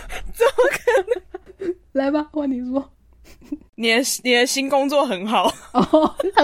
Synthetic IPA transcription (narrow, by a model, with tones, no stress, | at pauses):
t͡sə˨˦mə˨kʰə˥ | la˧˥ɪba˧xwa˥˩ni˨˩swɔ˥ | ni˨˩˨ni˨˩d̪ə˦ɕi˥nkʊ˥ŋt͡swɔ˥˨xə˧˦nxɑ˨˩˦ʊ˧˩˧